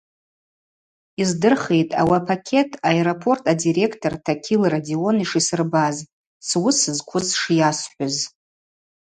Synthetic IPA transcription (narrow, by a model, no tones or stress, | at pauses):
izdɨrχejtʼa̰wapʰakʲʰe̞tʰaeɾopʰo̞rtʰadiɾe̞kʰtʰortʰakʲʰilradio̞niʂisɨrbaz | swʊsɨzkʷʰʊzʂjasħʷᶣʊz